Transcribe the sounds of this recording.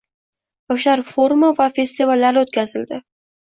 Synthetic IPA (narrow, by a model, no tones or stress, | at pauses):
boʃaɾfoɾmavafe̞st̪ivalːaɾɪot̪kʲazɪld̪ɪ